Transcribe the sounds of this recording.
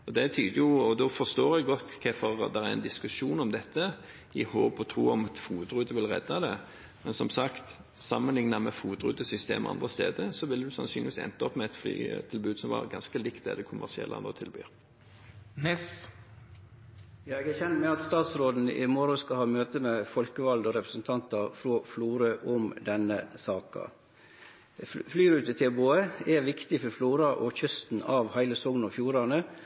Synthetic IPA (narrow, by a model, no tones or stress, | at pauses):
ɔd̪ɛt̪ʰyːd̪əjʊɔd̪ɔfɔʁst̪oːɾɛɡɡɔt̪ːkʰɛfɔɾd̪ɛʁæɾɛ̰nd̪ɪskʉʂuːnɔmd̪ɛt̪ːə | ɪhoːpɔt̪ʰɾuːɔmɑt̪fuːt̪ɾʉd̪əʋɪlʁɛ̰d̪ːɑd̪ɛ | mɛnsɔmsɑkt̪ | sɑmːənlɪŋnɑmɛfuːt̪ɾʉ̰ːd̪əsʏst̪ḛːmɔ̰ʔɑ̰nd̪ʁəst̪ḛːd̪əɾsɔʋɪld̪ʉsɑnsyːnɪʋiːsɛ̰nt̪ɑɔpːmɛɛt̪fly̰ːt̪ʰɪlbʉːd̪sɔmʋɑ̰ɾɡɑnskəlɪkt̪d̪æ̰d̪ɛkʰʊmʔæ̰ʁsɪɛ̰lʔɑ̰no̰ːt̪ʰɪlby̰ːɾ | jɑːɛɡæçɛnt̪mɛɑt̪st̪ɑːt̪sɾoːd̪n̩ɪ̰mɔɾʊskɑlhɑːmøːt̪əmɛfɔlkəʋɑld̪oːɾɛpɾəsn̩t̪ʰɑnt̪ɑɾfɾoːfluːɾəʔʊmd̪ɛnəsɑːkɑ̰ | flyːɾʉːt̪ət̪ʰɪboːəɛʋɪkt̪ɪfɔɾfluːɾɑʔɔ̰çœst̪n̩ɑʋhæɪləsɔŋnɔfjuːɾɑnə